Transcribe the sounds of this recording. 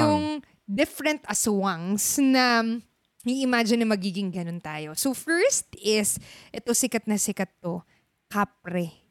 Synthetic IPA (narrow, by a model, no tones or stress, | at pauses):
jʊŋ | d̪ɪfɾɛnt̪ʔɐswɐŋsnɐ | ŋɪʔɪmaːd͡ʒɪnːɐmɐɡiːɡɪŋɡɐno̞nt̪aːjo̞sofɛɹst̪ɪsʔɛt̪osɪkɐt̪̚nɐsɪkɐt̪ːo | kaːp̚ɾɛ